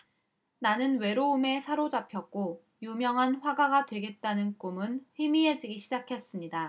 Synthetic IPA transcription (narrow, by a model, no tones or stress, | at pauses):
nanɯnwe̞ɾoume̞sʰaɾod͡ʑapʰjʌk̚k͈o | jumjʌŋɦanɸwaɡaɡadwe̞ɡe̞t̚t͈anɯnk͈umɯnɸimie̞d͡ʑiɡiɕʰid͡ʑakʰe̞s͈ɯmɲida